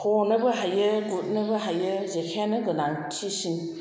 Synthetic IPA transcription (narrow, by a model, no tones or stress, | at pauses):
hɔnɯbɐɦajɯɡut̚nɯbɐɦajɯzekʰanɯɡɯnaŋtʰisin